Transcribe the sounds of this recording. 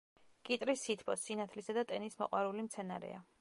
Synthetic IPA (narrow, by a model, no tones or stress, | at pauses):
kʼit̪ʼɾisit̪ʰpʰɔsinat̪ʰlisad̪at̪ʼɛnismɔ̰qʼwaɾulimt̪sʰɛnaɾɛ̰a